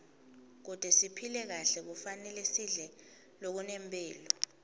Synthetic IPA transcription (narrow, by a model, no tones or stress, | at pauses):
k̬ud̥ʱɛsipʰilɛk̬aɬɛk̬ufanɛlɛsiɮɛ | lok̬unɛmpʼɛːlɔ